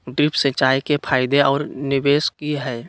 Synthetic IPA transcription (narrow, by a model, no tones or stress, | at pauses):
ɖɾɪpsẽt͡ʃaːikepʰaːɪd̪eɔːɾnɪweːskiɦɛː